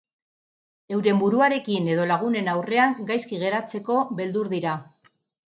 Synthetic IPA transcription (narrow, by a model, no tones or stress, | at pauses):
e̞wɾe̞mbuɾuaɾe̞kine̞ð̞o̞laɣ̞une̞nawre̞aŋɡajskiɣe̞ɾat͡se̞ko̞βbe̞ld̪uɾðiɾa